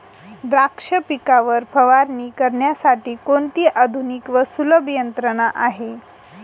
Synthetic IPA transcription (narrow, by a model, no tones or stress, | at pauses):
d̪ɾakʂəpikaʋəɾfəʋaɾniːkəɾɳjasaʈiːkont̪iːʔad̪ʱunikʋəsuləbʱjənt̪ɾəɽ̃aʔaɦe